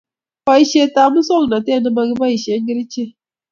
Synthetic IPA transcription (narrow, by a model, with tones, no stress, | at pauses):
fa˦i˦ʃe˦ta˨˦mu˦sɔ˦lna˨te˦˨nɨ˦ba˨˦ɡi˦ba˦i˨ʃe˨˦ŋ˦ɡi˦ɾi˦t͡ʃe˦˨